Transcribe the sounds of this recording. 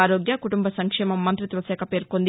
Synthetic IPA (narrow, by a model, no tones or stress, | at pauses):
aːɾoːɡjɐkuʈumbɐsɐŋkʂɛːmɐmːɐnt̪ɾit̪ʋɐsɛːkʰɐpe̞ːɾkond̪